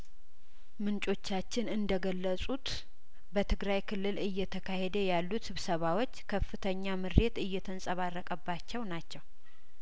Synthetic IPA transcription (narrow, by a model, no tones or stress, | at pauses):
mɨnt͡ʃʼo̞t͡ʃːat͡ʃːɪnɨnd̪əɡəlːəsʼut̪ | bət̪ʰɨɡɾajkʰɨlːɨlɨjːɛt̪ʰəkʰahed̪əjalːut̪sɨβsəβawo̞t͡ʃːkʰəfːɨt̪ʰəɲːamɨɾe̞t̪ɨjːɛt̪ʰənsʼəβarːəkʼəbːat͡ʃːɛwnat͡ʃːɛw